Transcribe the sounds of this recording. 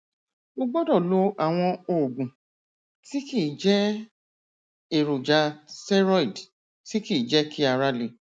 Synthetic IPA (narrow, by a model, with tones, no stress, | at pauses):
o˦ɡ͡bɔ˦dɔ˦˨lo˧˦a˨w̃ɔ̃˧oː˨ɡũ˨ | ti˦ki˦˨d͡ʒɛ˦ | e˦˨ɾo˨d͡ʒa˨˧sɛ˦ɾɔ˦i˨d | ti˦ki˦˨d͡ʒɛ˦ki˦a˧˨ɾa˧le˨˦